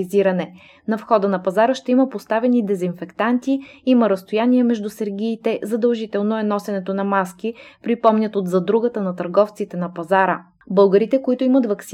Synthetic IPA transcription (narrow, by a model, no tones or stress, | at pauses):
iziɾənɛ | nɐfxɔd̪ənɐpɐzaɾəʃt̪ɛiməpost̪avɛnid̪ɛzinfɛkt̪ant̪iimɐɾəst̪ojaniɛmɛʒd̪usɛɾɡ̟ʲiːt̪ɛzɐd̪əlˠʒit̪ɛlˠnoɛnɔsɛnɛt̪onɐmaskipɾipɔmnʲət̪od̪zɐd̪ɾuɡət̪ənɐt̪ɐɾɡɔft̪sit̪ɛnɐpɐzaɾə | bɤlˠɡəɾit̪ɛkoit̪oimət̪vɐks